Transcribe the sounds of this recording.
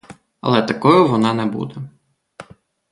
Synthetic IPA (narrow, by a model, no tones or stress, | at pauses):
ɐ̰lˠɛt̪ɐkɔjʊʋɔnɑnɛbṵd̪ɛ